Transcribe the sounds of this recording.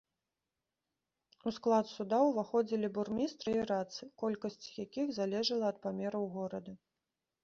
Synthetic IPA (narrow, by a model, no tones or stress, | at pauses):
usklˠat̪sud̪awvaxɔd͡zʲilʲiburmʲist̪ɾɨiɾat̪sɨkɔlʲkɐsʲt͡sʲjakʲiɣzalʲɛʐɐlˠɐɐt̪̚pamʲɛɾɐwɣɔɾɐd̪ɐ